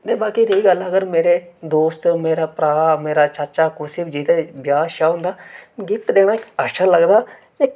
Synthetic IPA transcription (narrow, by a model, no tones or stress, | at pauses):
t̪eːbaːkiːɾiiːɡələɡəɾmeːɾeːd̪oːst̪meːɾaːpɾaːmeːɾaːt͡ʃəɾt͡ʃaːkʊsɪbd͡ʒit̪eːbjaːʃaːɦʊ̃nd̪aːɡɪpʰʈd̪eːɽ̃aːɪkaːʃaːləɡd̪aː | eː